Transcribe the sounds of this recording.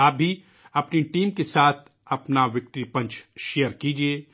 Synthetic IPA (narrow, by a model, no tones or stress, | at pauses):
aːb̚bʱi | ɐpniʈiːmkesaːt̪ʰ | ɐpnaʋɪk̚ʈɾipɐ̃ɲt͡ʃʃejəɾkiːd͡ʒieː